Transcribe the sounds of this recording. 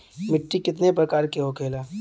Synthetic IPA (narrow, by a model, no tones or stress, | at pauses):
mɪʈːikɪt̪nep̬ɾɐkaːɾkeɦokʰeːlaː